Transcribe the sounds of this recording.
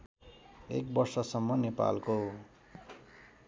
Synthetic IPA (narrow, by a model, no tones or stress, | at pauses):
ḛk̚bʌrsʌsʌmːʌnepa̰lko